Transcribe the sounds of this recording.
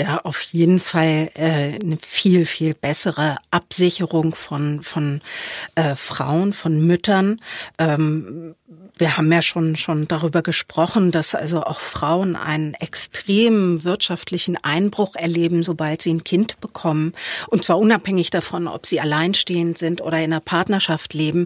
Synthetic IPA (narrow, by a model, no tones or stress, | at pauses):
jaːʔaʊfjeːdn̩falʔɛːnəfiːlfiːlbɛsəʁəʔapz̥ɪçəʁʊŋfɔnfɔnʔɛːfʁ̥a̰ʊənfɔnmʏtɐnʔɛːm | viːɐhaːbm̩jaːʃoːnʃoːnd̥aʁyːbɐɡəʃpʁ̥ɔχn̩dasʔa̰lzoʔa̰ʊxfʁ̥aʊənʔa̰ɪnənɛkstʁ̥eːmənvɪɐtʃaftʰlɪçn̩ʔaɪnbʁʊχɛɐleːbm̩zobaltz̥iːnkʰɪntb̥əkʰɔmənʔʊntt͡sv̥aːɐʔʊnaphɛŋɪçd̥afɔnɔ̰pz̥iːalaɪnʃteːəntz̥ɪntʔo̰ːɾɐɪndeːɐpʰaɐtnɐʃaftleːbm̩